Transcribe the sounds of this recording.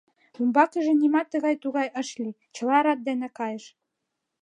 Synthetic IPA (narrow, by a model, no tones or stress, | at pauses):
umbɑkɘ̆ʒɘ̆nʲimɑt̪ːɤ̆ɣɑjt̪uɣɑjɤ̆ʃlʲi | t͡ɕɤ̆lˠɑɾɑt̪̚d̪ænɘ̆kɑjɤ̆ʃ